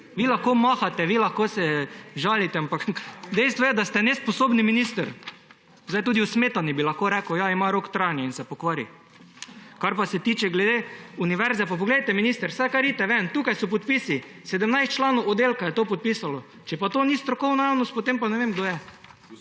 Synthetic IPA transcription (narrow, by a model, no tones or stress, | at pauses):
ʋiːlaxkomaxat̪ɛʋilaxkosɛʒaːlit̪ɛampakd̪ɛjst̪ʋɔjɛd̪ast̪ɛnɛsposoːbniminist̪əɾ | zajt̪ud̪iusmeːt̪anibilɐxkoɾɛkʊjaimaɾokt̪ɾajnjɛinsɛpokʋaːɾḭ | kaɾpasɛt̪iːt͡ʃɛɡlɛd̪euniʋɛɾzɛpap̬oɡleːd̪t̪ɛminist̪əɾsajkaɾit̪ɛʋɛnt̪uːkajsɔpɔt̪piːsi | sɛd̪əmnajst̪̚t͡ʃlaːnoʊɔd̪elkajɛt̪oːpɔt̪̚piːsalɔ | t͡ʃɛpat̪oːnist̪ɾɔkɔwnɔjawnɔst̪̚pot̪empanɛʋemɡd̪oːjɛ